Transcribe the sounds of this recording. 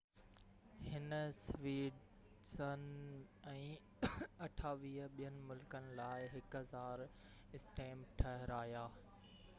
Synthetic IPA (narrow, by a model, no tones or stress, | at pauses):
hɪnəsʋiːɖ | sənɛ̃ː | ɐʈʰaːʋiːɦəɓijənɪ̆mʊlkənɪ̆laːɪɦɪkʊɦɐzaːɾ | ɪsʈeːmʈʰɐɦɪɾaːjaː